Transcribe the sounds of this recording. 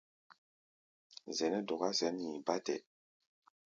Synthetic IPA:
zɛ˨nɛ˦dɔ˨ɣa˦sɛ˨˦n˦ɲi˨ba˦tɛ̰˨

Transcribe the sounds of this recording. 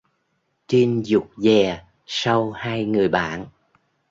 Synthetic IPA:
t͡ɕi˧nzʊ˨˩k͡p̚zɛ˨˩ | sa˧whaː˧jŋɨ˨˩əjɓa̰ː˧˨n

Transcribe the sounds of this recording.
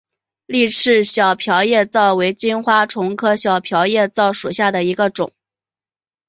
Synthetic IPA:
li˥˧ʈ͡ʂʰɻ̩˥˩ɕjɑ˨˩ʊpʰjɑ˧˥ʊjɛ˥˧t͡sɑ˥˩ʊwe˧˥ɪt͡ɕi˥nxwa˥ʈ͡ʂʰʊ˧˥ŋkʰɤ˥ɕjɑ˨˩ʊpʰjɑ˧˥ʊjɛ˥˧t͡sɑ˥˩ʊʂu˨˩ɕja˥˩d̪ə˩i˧˥ɡə˧ʈ͡ʂʊ̰˨˩˦ŋ

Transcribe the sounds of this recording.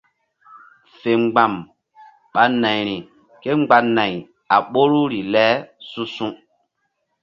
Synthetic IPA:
fe˨ŋ͡mɡ͡ba˨m | ɓa˨na˨jɾi˨ | ke˦ŋ͡mɡ͡ba˨nã˨j | a˨ɓo˦ɾu˦ɾi˨lɛ˦sũ˦sũ˦

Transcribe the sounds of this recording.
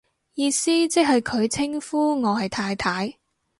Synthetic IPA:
jiː˧siː˥t͡sɪ˥k̚hɐ˨jkʰɵ˨˧ɥt͡sʰɪ˥ŋfuː˥ŋɔː˨˧hɐ˨jt̪ʰaː˧jt̪ʰaː˨˥j

